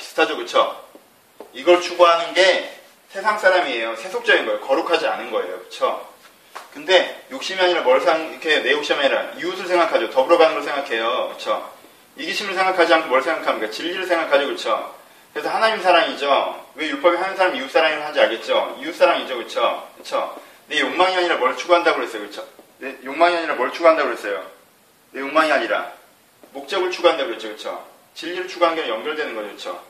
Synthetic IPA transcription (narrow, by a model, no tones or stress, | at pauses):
ki̥sʰɯ̥tʰad͡ʑokɯt͡ɕʰo | iɡʌɭt͡ɕʰuboɦanɯnɡe̞ | sʰe̞sʰaŋs͈aɾamiejosʰesʰok̚t͡ɕ͈ʌɡinɡʌejokʌɾukʰad͡ʑia̰nɯnɡʌe̞̰jo̰kɯ̥t͡ɕʰo | kɯnde̞jok̚ɕ͈imiaɲiɾamʌɭsʰaŋkʰejone̞jok̚ɕ͈ʌmaiɾaiusʰɯɭsʰe̞ŋɡakʰad͡ʑootʌbɯɾʌɡanɯnɡʌɭsʰeŋɡakʰe̞jokɯt͡ɕʰo | iɡiɕʰimɯɭsʰe̞ŋɡakʰad͡ʑiɦankʰomwʌɭsʰe̞ŋɡakʰamɲik͈at͡ɕiʎːiɾɯɭsʰe̞ŋɡakʰad͡ʑokɯt͡ɕʰo | kɾe̞s̬ʰʌhanaɲimsʰaɾaŋid͡ʑowe̞juɭp͈ʰʌbihanɯnsʰaɾamius͈aɾaŋiɾɯɭhad͡ʑiaɭɡe̞t̚t͡ɕ͈oius͈aɾaŋid͡ʑokɯt͡ɕʰokɯt͡ɕʰo | ne̞joŋmaŋiɦaɲiɾamwʌɭt͡ɕʰuɡuɦandaɡoɦe̞s͈ʌjokɯt͡ɕʰonejoŋmaŋiɦaɲiɾamwʌɭt͡ɕʰuɡuɦandaɡoɦe̞s͈ʌjo̰ | ne̞joŋmaŋiɦaɲiɾa̰ | mok̚t͡ɕ͈ʌɡɯɭt͡ɕʰuɡuɦandeɡoett͡ɕʰokɯt͡ɕʰo̰ | t͡ɕiʎːiɾɯɭt͡ɕʰuɡuɦanɡeɾejʌŋɡjʌɭdwe̞nɯnɡʌd͡ʑokɯt͡ɕʰo̰